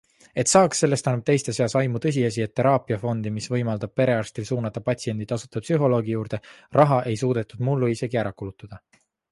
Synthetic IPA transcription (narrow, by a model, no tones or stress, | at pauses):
e̞t̪sɑːksːe̞lːest̪ɑnːub̚t̪e̞jst̪eseɑsɑjmut̪ɤ̞s̬ʲiɑs̬ie̞t̪ːe̞ɾɑːpiɑfo̞nd̪̥imisvɤ̞jmɑld̪̥ɑb̥̚pe̞ɾe̞ɑrst̪ilsuːnɑt̪ːˑɑpɑt̪ʲsie̞nd̪̥it̪ɑsut̪ːˑɑpsyɦo̞lo̞ːɡijuːɾd̪̥e̞rʔɑɦɑʔe̞jsuːd̪̥e̞t̪ːˑud̪̥mulːuise̞ɡiæɾɑkulut̪ːˑɑd̪̥ɑ